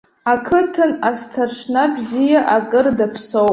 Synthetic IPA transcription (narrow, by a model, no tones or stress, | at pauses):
akʰɨtʰɨnastʰarʂnabzijaʔakʼɨrdapʰsow